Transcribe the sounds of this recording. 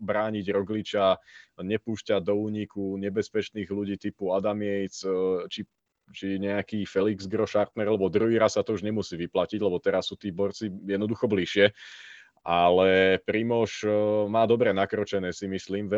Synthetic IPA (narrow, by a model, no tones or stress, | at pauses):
bɾaːɲiɟɾɔɡlit͡ʃaɲɛpuːʃcad̪ɔuːɲikuɲɛbɛspɛt͡ʃniːɣluɟiːt̪ipuad̪amɪɛjt͡st͡ʃi | t͡ʃiɲɛakiːfɛliɡzɡɾɔʃaɾt̪nɛɾalɛbɔd̪ɾuɦiːɾasːat̪ɔuʒɲɛmusiːʋiplaciɟlɛbɔt̪ɛɾasːuːt̪iːbɔɾt͡sijɛd̪nɔd̪uxɔbliʃɪɛ | ʔalɛpɾimɔʃmaːd̪ɔbɾɛnakɾɔt͡ʃɛnɛːsimisliːmʋɛ